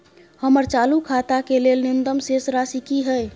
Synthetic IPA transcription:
həməɾt͡ʃalukʰat̪akelelnind̪əmsesɾasikiɦəj

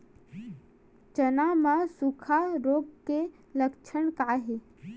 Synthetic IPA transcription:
t͡ʃənamãsukʰaɾoːb̚ke | ləkt͡ʃʰəɳkaːɦe

